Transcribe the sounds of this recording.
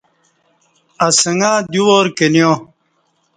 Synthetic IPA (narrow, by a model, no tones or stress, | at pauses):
ɐsɐŋɡãːd̪uwoːɾkenijõ